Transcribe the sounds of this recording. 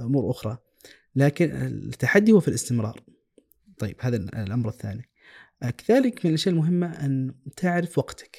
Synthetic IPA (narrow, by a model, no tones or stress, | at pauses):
ʔʊmuːɾʔʊxɾˤɑ | laːkɪnɪ̰t̪ːaħad̪ːihʊːfilɪst̪ɪmɾˤɑ̰ːɾˤ | t̪ˤɑjːɪb̥haːðalʔamɾɪθːa̰ːni | kaðaːlɪkmɪnɪlʔaʃjaːʔɪlmʊɦɪmːaʔant̪ʰɪʕɾɪfwɑɡt̪ḁk